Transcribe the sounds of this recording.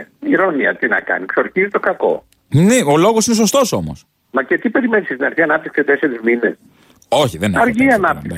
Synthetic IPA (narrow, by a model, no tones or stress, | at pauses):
iɾoniɐ̰t̪inɐ̰kɐ̰niksoɾçizit̪o̞kɐko̞̰ | neolo̞ɣosine̞s̬o̞st̪o̞so̞mo̞̰s | mɐcet̪ipe̞ɾimenisest̪inɐɾçiɐnɐpt̪iksiset̪e̞seɾizminḛs | o̞çiðenɐɾʝiɐnɐpt̪iki